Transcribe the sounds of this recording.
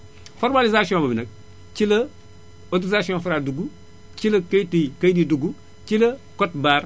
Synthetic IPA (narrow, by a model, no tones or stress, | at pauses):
foɾmalizasiõbɐbinɐk̚ | t͡ʃilɐ | otɾizasiõfiɾaduɡu | t͡ʃilɐkɐjtikɐdiduɡu | t͡ʃilɐkotbaːɾ